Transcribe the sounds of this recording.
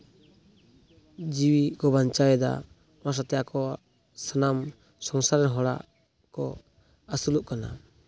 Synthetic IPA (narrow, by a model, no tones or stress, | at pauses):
d͡ʒiwikɔbant͡ʃajɛd̪a̰ | nas̬at̪ɛjakʰɔ | sanam | sɔŋsaɾɛnɦɔɾa̰ | kɔ̰ | asuluʔkana̰